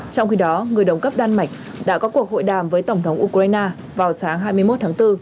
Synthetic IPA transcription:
t͡ɕɔ˧wŋ͡mxi˧ɗɔ˨˦ŋɨ˨˩əjɗə˨˩wŋ͡mkə˦˥p̚ɗaː˧nma˨˩jk̟̚ | ɗa̰ː˧˥kɔ˨˦ku˨˩ək̚ho̰˧˨jɗaː˨˩mvəː˨˦jt̪ə˧˩ŋ͡mt̪ʰə˨˦wŋ͡mʔu˧ka˧jnaː˧ | vaː˨˩wsaː˨˦ŋɦaː˧jmɨ˧jmo˦˥t̚t̪ʰaː˨˦ŋt̪ɨ˧

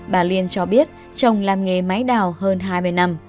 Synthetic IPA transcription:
ɓaː˨˩li˧ənt͡ɕɔ˧ɓi˦˥ət̚ | t͡ɕə˨˩wŋ͡mlaː˨˩mŋe˨˩ma˨˦jɗaː˨˩whəː˧nɦaː˧jmɨ˧əjna˧m

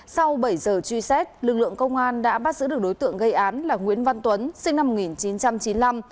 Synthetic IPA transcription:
sa˧wɓə˧˩jzəː˨˩t͡ɕwi˧sɛ˦˥t̚lɨ˨˩k̚lɨ̰˧˨əŋkə˧wŋ͡mʔaː˧nɗa̰ː˧˥ɓaː˦˥t̚zɨ̰˧˥ɗə˩ɗo˨˦jt̪ɨ̰˧˨əŋɣə˧jʔaː˨˦nlaː˨˩ŋwḭ˧˥ənva˧nt̪wə˨˦nsï˧ŋna˧mo˨˩ŋi˨˩nt͡ɕi˨˦nt͡ɕa˧mt͡ɕi˨˦nla˧m

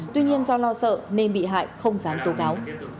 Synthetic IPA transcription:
t̪wi˧ɲi˧ənzɔ˧lɔ˧sə̰ː˧˨ne˧nɓḭ˧˨ɦa̰ː˧˨jxə˧wŋ͡mzaː˨˦mt̪o˨˦kaː˨˦w

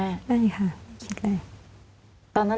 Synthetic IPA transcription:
ʔa˥˩jkʰa˥˩ma˥˩jkʰi˧˥t̪̚la˧˩ | t̪ɔː˧nːa˦˥

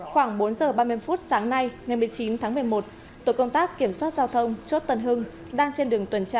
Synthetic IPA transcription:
xwaː˧˩ŋɓo˨˦nzəː˨˩ɓaː˧mɨ˧əjfu˦˥t̚saː˨˦ŋna˧jŋa˨˩jmɨ˨˩əjt͡ɕi˨˦nt̪ʰaː˨˦ŋmɨ˨˩əjmo˨˩t̚ | t̪o˧˩kə˧wŋ͡mt̪aː˦˥kkːi˧˩əmswaː˦˥t̚zaː˧wt̪ʰə˧wŋ͡mt͡ɕo˦˥t̚t̪ə˧˩nɦɨ˧ŋ | ɗaː˧ŋt͡ɕe˧nɗɨ˨˩əŋt̪wə˨˩nt͡ɕaː˧˩

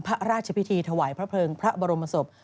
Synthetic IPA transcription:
pʰa˦˥ɾaː˥˩t̪̚t͡ɕʰa˧pʰi˦˥t̪ʰiː˧t̪ʰa˧waː˨˩˦jpʰɾa˦˥pʰɤː˧ŋpʰɾa˦˥bɔː˧ɾo˧mːa˧so˨˩p̚

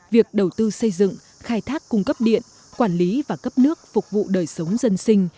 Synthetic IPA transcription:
vi˨˩ək̚ɗə˨˩wt̪ɨ˧sə˧jzɨ̰˧˨ŋ | xaː˧jt̪ʰaː˦˥kːʊ˧ŋ͡mkə˦˥p̚ɗḭ˧˨ən | kwaː˧˩nli˨˦vaː˨˩kə˦˥p̚nɨ˦˥ək̚fʊ˨˩k͡p̚vṵ˧˨ɗəː˨˩jsə˨˦wŋ͡mzə˧nsï˧ŋ̟

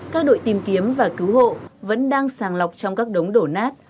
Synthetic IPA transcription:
kaː˦˥k̚ɗo̰˧˨jt̪i˨˩mki˨˦əmvaː˨˩kɨ˨˦wɦo̰˧˨və̰˧˥nɗaː˧ŋsaː˨˩ŋla˨˩wk͡p̚t͡ɕɔ˧wŋ͡mkaː˦˥k̚ɗə˨˦wŋ͡mɗo˧˩naː˦˥t̚

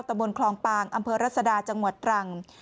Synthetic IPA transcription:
wt̪a˧mbo˧nkʰlɔː˧ŋpaː˧˩ŋʔa˧mpʰɤː˧ɾa˥˩t̪̚sa˧daː˧t͡ɕa˧ŋu˨˩ət̪̚ɾa˨˧˩ŋ

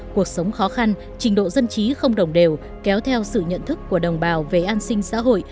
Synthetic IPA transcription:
ku˨˩ək̚sə˨˦wŋ͡mxɔ˨˦xa˧n | t͡ɕï˨˩ŋ̟ɗo̰˧˨zə˧nt͡ɕi˨˦xə˧wŋ͡mɗə˨˩wŋ͡mɗe˨˩w | kɛ˨˦wt̪ʰɛ˧wsɨ̰˧˨ɲə̰˧˨nt̪ʰɨ˦˥kːu˧˩əɗə˨˩wŋ͡mɓaː˨˩wve˨˩ʔaː˧nsï˧ŋ̟sa̰ː˧˥ɦo̰˧˨j

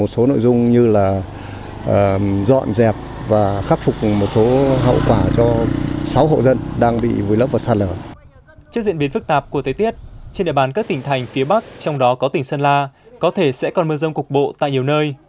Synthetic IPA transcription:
mo˨˩t̚so˨˦no̰˧˨jzʊ˧ŋ͡mɲɨ˧laː˨˩ | ʔəː˨˩zɔ̰˧˨nzɛ˨˩p̚ | vaː˨˩xa˦˥k̚fʊ˨˩k͡p̚mo˨˩t̚so˨˦ɦə̰˧˨wkwaː˧˩t͡ɕɔ˧sa˨˦wɦo̰˧˨zə˧nɗaː˧ŋɓḭ˧˨vu˨˩jlə˦˥p̚vaː˨˩saː˧ləː˧˩ | t͡ɕɨ˦˥k̚zḭ˧˨ənɓi˨˦ənfɨ˦˥k̚t̪aː˨˩p̚ku˧˩ət̪ʰə˨˦t̪i˦˥ət̚t͡ɕe˧nɗḭ˧˨ɓaː˨˦nkaː˦˥k̚t̪ï˨˩ŋ̟t̪ʰa˨˩jŋ̟fi˨˦əɓa˦˥k̚t͡ɕɔ˧wŋ͡mɗɔ˨˦kɔ˨˦t̪ï˨˩ŋsə˧nlaː˧kɔ˨˦t̪ʰe˧˩sɛ̰˧˥kɔ˨˩nmɨ˧əzə˧wŋ͡mkʊ˨˩k͡p̚ɓo̰˧˨t̪a̰ː˧˨jɲi˨˩əwnəː˧j

